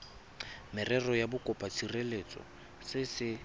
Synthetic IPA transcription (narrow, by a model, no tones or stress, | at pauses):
mɪrɛrɔjabʊkʼɔpʼat͡sʰirelet͡sʼɔ̰ | sɪsɪ